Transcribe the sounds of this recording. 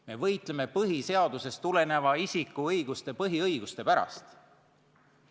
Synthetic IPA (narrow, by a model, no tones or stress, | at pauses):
me̞vɤjt̪ˑle̞me̞pɤɦise̞ɑd̪̥use̞st̪ule̞ne̞vɑisʲikːˑuɤjɡ̥ust̪e̞pɤɦiɤjɡ̥ust̪e̞pæɾɑ̰st̪